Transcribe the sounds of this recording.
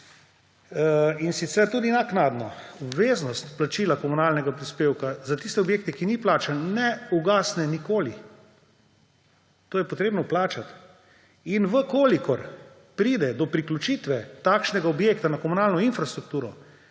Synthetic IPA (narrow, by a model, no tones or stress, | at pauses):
insit̪sɛɾt̪uːd̪inaknaːd̪nɔɔbʋeːznɔst̪plat͡ʃilakɔmunaːlnɛɡapɾispeːwkazat̪ist̪ɛɔbjeːk̚t̪ɛkiniplaːt͡ʃannɛuɡaːsnɛnikoːli | t̪oːjɛpɔt̪ɾeːbnɔplaːt͡ʃat̪ | inʋəkoːlikɔɾ | pɾiːd̪ɛd̪ɔpɾiklut͡ʃit̪ʋɛt̪aːkʃnɛɡaɔbjeːkt̪anakɔmunaːlnɔinfɾast̪ɾuk̚t̪uːɾɔ